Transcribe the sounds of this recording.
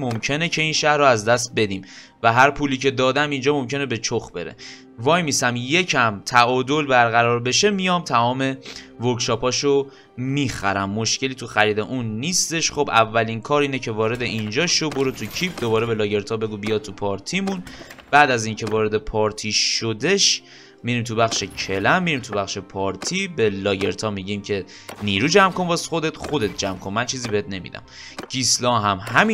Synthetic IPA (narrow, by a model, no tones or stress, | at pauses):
momcʰe̞ne̞cʰe̞iːnʃæhɾoæzd̪æst̪̚be̞d̪iːm | væɦæɾpʰuːliːcʰe̞d̪ɒːd̪æmind͡ʒɒːmo̞mce̞ne̞be̞t͡ʃʰoxbe̞̰ɾḛ | vɒːjmiːsæmje̞cʰæmt̪ʰæʔɒːd̪o̞lbæɾɣæɾɒːɾbe̞ʃe̞mijɒːmt̪ʰæɒːme̞voɾkʃɒːpʰɒːʃo | miːxæɾæmːo̞ʃce̞liːt̪ʰuxæɾiːd̪e̞ʔunːiːst̪e̞ʃχo̞bʔævːæliːnkʰɒːɾiːnecʰe̞vɒːɾe̞d̪e̞ʔind͡ʒɒːʃoboɾot̪ʰucʰip̚d̪obɒːɾebe̞lɒːɟe̞ɾt̪ʰɒːbe̞ɡuːbijɒːt̪ʰːupʰɒːɾt̪ʰimunb̥æːd̪æziːncʰe̞vɒːɾe̞d̪e̞pʰɒːɾt̪ʰiʃod̪e̞ʃ | miɾiːmt̪ʰubæxʃecʰe̞læmːiɾimt̪ʰubæχʃe̞pʰɒːɾt̪ʰibe̞lɒːɟe̞ɾt̪ʰɒːmiɟiːmcʰe̞ | niːɾuːd͡ʒæmko̞nbɒsxo̞d̪e̞t̪χod̪e̞t̪̚ʰd͡ʒæmkʰonmænt͡ʃʰiːziːbe̞het̪ʰne̞mḭd̪æ̰m | ɟ̥islɒːɦæmɦæmi